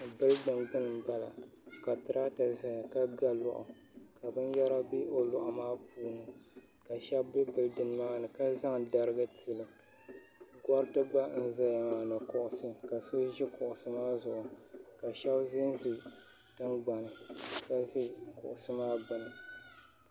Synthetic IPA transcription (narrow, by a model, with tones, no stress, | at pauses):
bɨ˦ldɨ˨mbɨ˦nɨ˨m˨ba˦la̰˨ka˨tɨ˨ɾʔaː˦ta˨za˨ja˨ka˦ɡa˦lɔ̰˨ʔʊ̰˨ | ka˨bɨ˦nja˦ɾa˦bi˦ʔo˦lʊ˨ʔʊ˨maː˦puː˦nɨ˨ | ka˨ʃɛ˦bːɨ˦bɨ˨ldɨ˦n˦maː˦nɨ˨ka˦za˦ŋda˨ɾɨ˦ɡɨ˦tɨ˨lɨ˨ | ɡɔ˦ɾtɨ˦ba˦n̩˦za˦ja˨maː˦nɨ˨kʊ˨ʔʊ˨sɨ˦ka˨so˦ʒɪ˦kʊ˨ʔʊ˨sɨ˦maː˦zʊ˨ʔʊ˨ka˨ʃɛ˦bzɪ˦n˦zi˨ | tɨ˦ŋɡ͡ba˨nɨ˨ka˨ʒɪ˦kʊ̰˨ʔʊ˨sɨ˦maː˦bɨ˨nɨ˨